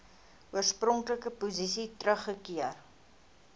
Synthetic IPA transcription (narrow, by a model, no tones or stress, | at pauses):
uərsprɔŋkləkəpuzisitrəχːəkiər